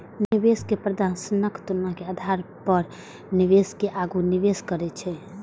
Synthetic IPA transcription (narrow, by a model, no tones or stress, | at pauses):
niʋeskepɾəd̪asnəkt̪unːakead̪ʱaɾpəɾ | niʋeskeʔaɡuniʋeskəɾɛt͡ʃʰɛ